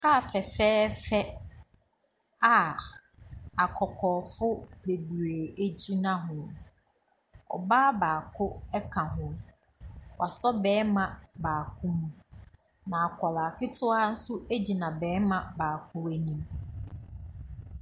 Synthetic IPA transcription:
ka˦˨fɛ˨fɛː˦fɛ˦ | a˨ | a˨kʰɔ˨kʰɔː˨fʊ˦be˨bɾe˨æ˨d͡ʑi˦nã˦ɦʊ̃˨ | ɔ̰˨baː˦baː˨kʰʊ˦ɛ˦kʰã˨ɦʊ̃˦ | wʔa˨sɔ˦bɛː˨˦mã˨baː˨kʰʊ˦mũ˨ | nã˨a˨kʰɔ˨la˨kʰɪ˦tʰʊ˦a˦n̩˦sʊ˦ʔæ˦d͡ʑi˨nã˨bɛː˨˦mã˨baː˨kʰʊ˦æ˨nĩ˦m

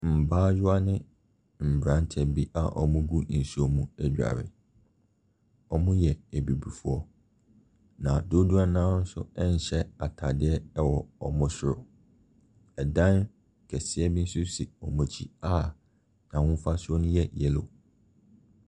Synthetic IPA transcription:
m̩˨baː˦jʊ˦a˦nɪ̃˦ | m̩˨bɾã˦n˦tʰɛ˨bi˦ʔa˨ʔɔ̰˨mʊ̃˦ɡu˦n̩˨su˦ɔ˨mũ˨æ˨d͡ʑᶣa̰˨ɾɪ̰˨ | ɔ˨mʊ̃˦jɛ˨æ˨bi˨bu˨fu˦ɔ˦ | nã˨do˦du˦a˦nãː˦n̩˦sʊ̰˦ɛ˦n̩˨ɕɛ˦a˨tʰa˨dɪ˦ɛ˦wɔ˨ɔ˨mʊ̃˦sɪ˦ɾʊ˨ | ɛ˨dã˦n | kʰɛ˨sɪ˦ɛ˦bi˦n̩˦sʊ˦si˨ɔ˨mɔ̃˨t͡ɕʰi˦a˦ | nã˨wʊ̃˦fa˦sʊ˦ɔ˦nʊ̃˦jɛ˦˨jɛ˨lo̰˨

